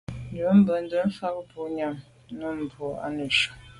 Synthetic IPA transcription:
n˨də˨˦m̩˦bə˨n̩˦də˦n̩˦fa˦kpo˦ɲa˦˨m | nə˦m̩˨bɔ˨a̰˦nə˨ʃə˨

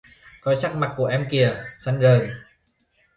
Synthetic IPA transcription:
kɔ˧˦jsa˦˥k̚ma˨˩k̚kːu˧˩əʔɛ˧mki˧˩əsa˧ŋ̟zəː˨˩j

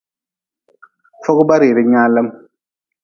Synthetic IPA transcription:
fɔ˦ku˦ba˦ɾi˨ɾi˦ɲaː˦lə˦m

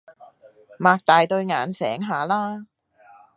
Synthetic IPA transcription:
maː˧k̚t̪aː˨jt̪ɵ˧ɥŋaː˨˥nsɛ̰ː˨˥ŋɦaː˨laː˥

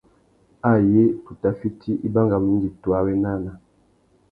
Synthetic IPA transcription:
a˦˨je˦tu˨ta˦fi˦ti˦ʔi˦ba˦ŋɡa˨mi˦n˦di˨twa˦wɛ˦na˦˨na˨

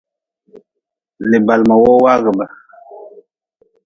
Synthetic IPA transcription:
lɪ˨ba˨lma˨wo˦wa˦ɣə˨ba˨

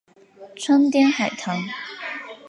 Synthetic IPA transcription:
t͡sʰə˥nt̪jɛ˥nxa˨˩ɪt̪ʰɑ˧˥ŋ

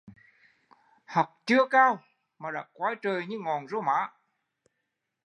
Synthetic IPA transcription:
hə˨˩k͡p̚t͡ɕɨ˧əkaː˧w | maː˨˩ɗa̰ː˧˥kwaː˨˦jt͡ɕəː˨˩jɲɨ˧ŋɔ˨˩nzo˧ma̰ː˧˥

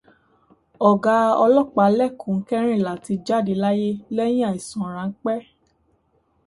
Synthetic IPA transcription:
ɔ˨ɡa˧˦ɔ˧lɔ˦˨k͡pa˨˦lɛ˦˨kũ˨ŋ̩˦kɛ˦ɾ̃ĩ˦˨la˨ti˧d͡ʒa˦˨di˨˦la˦je˦lɛ˦j̃ĩ˦a˦˨i˨sɔ̃˨ɾ̃ã˨˦ŋ̩˦k͡pɛ˦

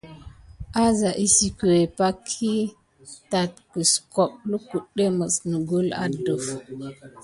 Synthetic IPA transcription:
ʔa˦za˨ʔi˦si˨kə˨we˨pa˦kʰːi˦ | ta˨t̚kə˨sko˨ɓlə˦ku˨ɗːe˦mə˨snə˨ɡo˦la̰˨də˨f

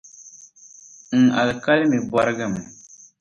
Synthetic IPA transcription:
ŋ̩˨a˨lka˦lmɪ˨ba˦ɾɡɨ˦˨m

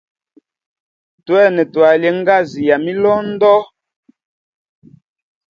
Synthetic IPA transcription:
twɛ˦˨nɛ˨twa˨lje˨ŋ̩˦ɡa˦˨zi˨ja˨mi˦lɔː˦n̩˦dɔ˦

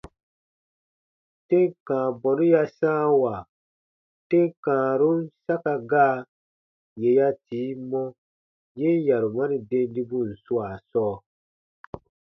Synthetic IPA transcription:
te˦ŋkãː˨bɔ̃˨nu˦ja˦sãː˦wa˨ | te˦ŋ˦kãː˨ɾu˦n̩˦sa˦ka˧ɡaː˦ | je˨ja˦tiː˨˦mɔ̃˦ | je˦n˦ja˨ɾu˨mã˦ni˨dẽ˧n˦di˧bũ˦˨n̩˨su˦a˨sɔː˦

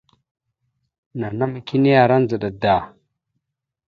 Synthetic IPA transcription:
na˨na˦ma˨ki˦ni˦ja˨ɾa˦n˦zə˨ɗa˨da˨

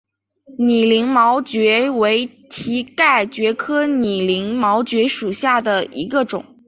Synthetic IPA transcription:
ni˨˩li˧˥ŋmɑ˧˥ʊt͡ɕɥɛ˧˥we˧˥ɪ | t̪ʰi˧˥ka˥˩ɪt͡ɕɥɛ˧˥kʰɤ˥ni˨˩li˧˥ŋmɑ˧˥ʊt͡ɕɥɛ˧˥ʂu˨˩ɕja˥˩d̪ə˩ḭ˧˥ɡə˧ʈ͡ʂʊ̰˨˩˦ŋ

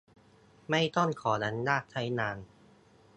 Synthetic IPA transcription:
ma˥˩jt̪ɔ˥˩nkʰɔː˩˦na˦˥ndaː˥˩k̚t͡ɕ̪ʰa˦˥jnaː˧n

